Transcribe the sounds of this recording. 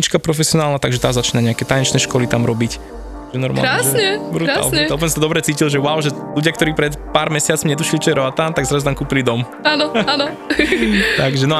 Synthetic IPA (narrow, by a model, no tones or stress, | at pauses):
it͡ʃkapɾɔfɛsɪɔnaːlnat̪aɡʒɛt̪aːzat͡ʃiːnaɲɛakɛt̪ajɛnt͡ʃnɛʃkɔlit̪amɾɔbic | ʒɛnɔɾma̰lɾaʒɛɲɛbɾuɾa̰slɲɛualp̬ːnsad̪ɔbɾɛt͡siːcilʒɛwaʊʒɛ | luɟɪjakt̪ɔɾiːpɾɛt̪paːɾmɛsɪat͡smiɲɛt̪uʃilit͡ʃɔjɛɾɔat̪ant̪aɡzɾazut̪amkuːpilid̪ɔm | aːnɔanɔ | t̪aɡʒɛnɔ